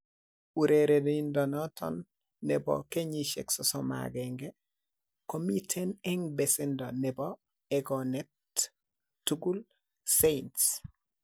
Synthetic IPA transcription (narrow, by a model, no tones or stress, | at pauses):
uɾeɾedindɔnɔtʰɔ̰nː | ɛbɔ̰keɲiʃɛ̰ksɔsɔma̰ɡɛŋɡɛ | komitʰɛnɛŋbɛsɛndɔnɛbɔ | ɛɡɔnɛtː | uɡul | sents